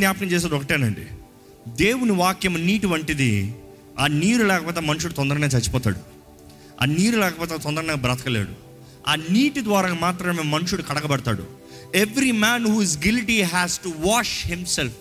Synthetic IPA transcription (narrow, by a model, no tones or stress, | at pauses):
njaːpɐkɐmt͡ʃɛːs̬aːd̪ɔkɐʈiːnɐɳɖḭ | d̪eːwuniʋaːkjɐmɐniːʈiʋɐɳʈid̪i | aːniːɾulɛːkɐpɔːt̪̬emɐnʂuɽut̪ɔnd̪ɐɾɐneːt͡ʃɐt͡ʃːi̥pɔːt̪a̰ːɽṵ | a̰ːniːɾulɛːkɐpɔːt̪et̪ɔnd̪ɐɾɐnɐbɾɐt̪ɐ̥kɐleːɽṵ | aːniːʈid̪ʋaːɾaːmaːt̪ɾɐmeːmɐnʂuɽukɐɽɐkɐbɐɽɐt̪a̰ːɽṵ | eʋɾimæːnɦuːizɡilʈiɦæːsʈuʋaːʂhimself